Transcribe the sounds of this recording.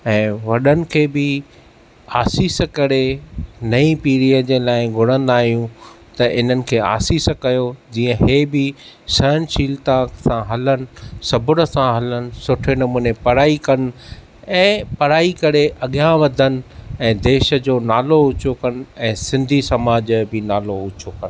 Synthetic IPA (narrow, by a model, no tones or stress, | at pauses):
ɛ̃ːʋɐɗənɪ̆kʰeːbɪ | aːsiːskɐɾenɐĩpiːɾijəd͡ʑẽːlaːɪɡʱʊɽə̃nd̪aːɦijũ | t̪ɐʔɪn̤ənɪ̆kʰeːa̰ːsiːskɐjod͡ʑiːə̃ɦeːbɪ | sɐnʃiːlt̪ãsãɦɐlənɪ̆sɐbʊɽə̆sãɦɐlənɪ̆sʊʈʰenɐmuːnepɐɾaːikɐn̆ | ɛ̃ːpɐɾaːikɐɽeʔɐɠjãʋɐd̪ʱən̆ɛ̃ːd̪eːʃə̆d͡ʑoːnaːloʊt͡ɕokɐn̆ɛ̃ːsɪ̃nd̪ʱisɐmaːd͡ʑbɪnaːloʊt͡ɕʰokɐn